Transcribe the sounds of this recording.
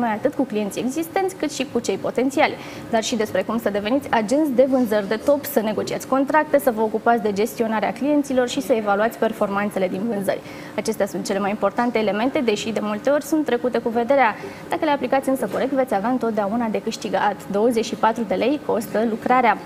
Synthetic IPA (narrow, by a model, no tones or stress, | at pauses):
no̞jat̪ɨt̪kuklije̞nt̪sie̞ɡzist̪e̞nt̪sʲkɨt̪ʃikut͡ʃe̞jpo̞t̪e̞nt̪sialʲ | d̪arʃid̪e̞spɾe̞kumsəd̪e̞ve̞nit̪sʲad͡ʒunsd̪e̞vɨnzərʲd̪e̞t̪o̞psəne̞ɡo̞t͡ʃiat̪ʲko̞nt̪ɾak̚t̪e̞səvəokupat̪sʲd̪e̞d͡ʒe̞st̪io̞naɾea̰klije̞nt̪silo̞rʃisəevaluat̪sʲpe̞rfo̞rmant̪se̞le̞d̪invɨnzə̰ɾʲ | at͡ʃe̞st̪easunt̪̚t͡ʃe̞le̞majimpo̞rt̪ant̪e̞ːle̞me̞nt̪e̞d̪e̞ʃid̪e̞mult̪e̞o̞rʲsunt̪ːɾe̞kut̪e̞kuve̞d̪e̞ɾead̪̥akəle̞aplikat̪sʲɨnsəko̞ɾe̞k̚t̪ve̞t̪sʲaveaɨnt̪ot̪d̪eaunad̪e̞kɨʃt̪iɡa̰t̪d̪o̞wəze̞t͡ʃʃipat̪ɾud̪e̞le̞jko̞st̪əlukɾaɾea